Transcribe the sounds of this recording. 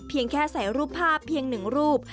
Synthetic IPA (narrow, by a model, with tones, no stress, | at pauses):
pʰi˧əŋkʰɛː˥˩sa˩˦jɾuː˥˩pʰːaː˥˩pʰːi˧əŋnɯ˨˩ŋɾuː˥˩p̚